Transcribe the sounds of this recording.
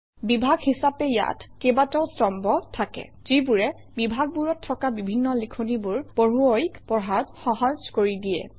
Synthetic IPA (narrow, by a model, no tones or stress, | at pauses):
bibʱaɡhisapɛja̰tʰkebataʊstɔmbɔtʰakɛ̰ | z̥ibuɹɛ | bibʱaɡ̚buɹɔtʰːɔkabibʱinːɔlikʰonibuɹb̥oɹuokpɔɦatxɔɦɔzkoɹidijɛ̰